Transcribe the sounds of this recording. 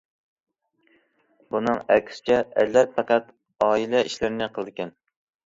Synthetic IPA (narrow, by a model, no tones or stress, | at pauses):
bunɨŋɛkʲʰsɪ̥t͡ʃʰɛɛlːæɾpʰɑqæt̪ | ɑːilɛiʃlɪɾɪnɪqʰəlˠɨd̪ɪkʲɛn